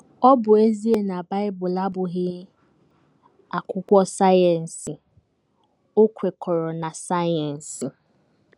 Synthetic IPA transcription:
ɔ˦bʊ˨e˦zi˦e˦na˨ba˦ɪ˦bʊ˨la˦bʊ˨ɣɪ˦ | a˨kʷʊ˦kʷɔ˦sa˦ja˨n̩˨sɪ˨ | ʊ˦kʷe˨kʰɔ˨ɾɔ˨na˨sa˦jɔ˨n̩˨sɪ˨

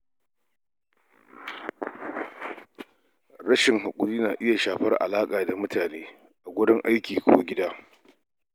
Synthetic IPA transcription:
ɾɐ˦ʃɪ˨ŋɦa˨kʷʼʊ˨ɾiː˦naː˨ʔɪ˦ja˨ʃaː˨ɸɐ˦rʔa̰˨laː˦kʼaː˨da˨mʊ˦taː˨neː˦ | ʔa˨ɡʷʊ˦ɽɪ˦ŋʔa˦jkʲiː˨kʷoː˦ɡʲɪ˦daː˦

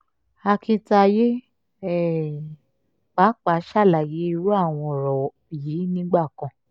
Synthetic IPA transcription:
a˧kʰĩ˧ta˧je˦ | ɛ˨ | k͡pa˨˦k͡pa˨˦ʃa˦˨la˨ji˨˦i˧ɾu˦a˦˨w̃ɔ̃˧˨ɾɔ˨ | i˨jiː˨˦nĩ˦ɡ͡ba˦˨kã˨

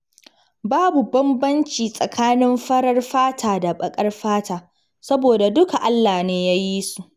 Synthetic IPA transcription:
baː˦bu˨bɐ˦mbɐ˦nt͡ʃiː˨sʼɐ˨kʰaː˦nɪ˦mɸɐ˦ɽɐ˦rɸaː˦tʰaː˨da˨ɓɐ˨kʼɐ˦rɸaː˦taː˨ | sɐ˦boː˨da˨dʊ˦ka˨ʔa˦lːaː˨neː˦ja˦ji˦su˨ʔ

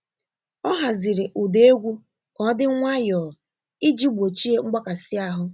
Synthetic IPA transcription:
ɔ˦ɦa˨zi˨ɾɪ˨ʔu˨de˦ɡʷu˦ | kɔ˦dɪ˦ŋʷa˦jɔ˨ | i˦d͡ʒi˦ɡ͡bo˨t͡ʃi˦e˦ŋ͡m̩˦ɡ͡ba˦ka˨si˦a˦ɦʊ˦

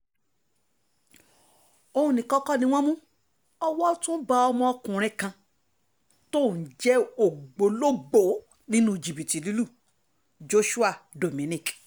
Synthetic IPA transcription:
o˧hũ˧nĩ˨kɔ˦kɔ˦nĩ˧w̃ɔ̃˦mũ˦ | ɔ˧wɔ˦tũ˦ba˧ɔ˧mɔ̃˧ɔ˧kũ˨ɾ̃ɛ̃˧kã˧ | to˦˨n̩˨d͡ʒɛ˨˦o˨ɡ͡bo˨˦lo˦ɡ͡bo˨˦ | nĩ˦nũ˦d͡ʒi˨bi˨ti˨li˨˦lu˦˨ | d͡ʒo˦ʃu˦a˦˨do˨mĩ˨nĩ˦˨k

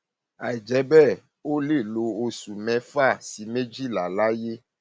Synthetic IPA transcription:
a˨ɛ˨d͡ʒɛ˨˦bɛ˦˨ | wo˦le˦˨lo˨o˨su˨mɛ̃˨˦fa˦˨si˨mẽ˦d͡ʒi˦la˨la˦je˦

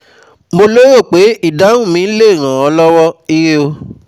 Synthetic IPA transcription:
mo˧lo˦jo˦˨k͡pe˨˦i˦˨dã˨˦ũ˦˨mĩ˨˦le˦˨ɾ̃ã˨ɔ˧˦lɔ˦wɔ˦i˧ɾe˦o˧

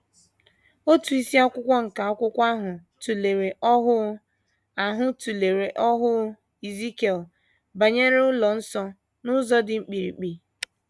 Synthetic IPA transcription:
o˦tu˨i˦si˦a˦kʷʊ˦kʷɔ˦ŋ̩˨ka˨ɔ˦kʷʊ˦kʷa˦ɦʊ˨ | tu˨le˨ɾe˨ʔɔ˦ɦʊ˦ | a˨ɦʊ˦tu˨le˨ɾe˨ʔɔ˦ɦʊ˦ | i˨zi˦ke˨l | ba˨ɲe˦ɾʊ˦lɔ˨n̩˦sɔ˦ | nʊ˦zɔ˦dɪ˨ŋ͡m̩˦k͡pi˨ɾḭ˨k͡pi˨

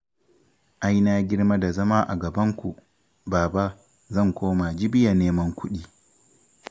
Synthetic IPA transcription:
ʔa˦jnaː˦ɡʲɪ˦ɽma˦da˨zɐ˦maː˦ʔa̰˨ɡɐ˨bɐ˦ŋkʷu˨ | baː˨ba˦ | zɐ˦˨ŋkʷoː˦ma˨d͡ʒɪ˦bɪ˦ja˨neː˦mɐ˦ŋkʷʊ˦ɗiː˦

